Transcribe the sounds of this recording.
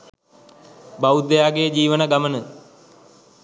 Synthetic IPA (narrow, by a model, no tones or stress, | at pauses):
baud̪ejaːɡejəd͡ʒiːʋənaɡamənə